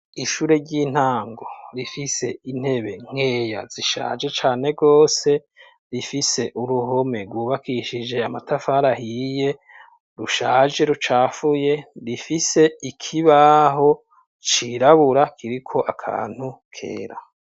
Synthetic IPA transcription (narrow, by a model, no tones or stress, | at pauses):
iʃuːɾe̞ɟiːn̥haːŋɡoɾifise̞in̥he̞βe̞ŋ̥e̞ːja̰ziʃa̰ːd͡ʒe̞t͡ʃaːne̞ɡo̞ːse̞ | ɾifise̞ʔuɾuɦo̞me̞ɾɡwuːβakʰiʃid͡ʒe̞amatafaɾahije̞ | ɾuʃaːd͡ʒe̞ɾut͡ʃaːfuje̞ɾifise̞ikʰiβaɦo̞ | t͡ʃiɾaβuɾakʰiɾikʰo̞ʔakʰa̰ːn̥hukʰe̞̰ːɾa